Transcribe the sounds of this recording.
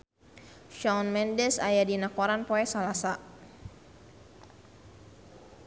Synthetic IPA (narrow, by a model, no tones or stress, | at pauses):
ʃɔnmɛndɛsajadinakɔɾanpɔɛsalasa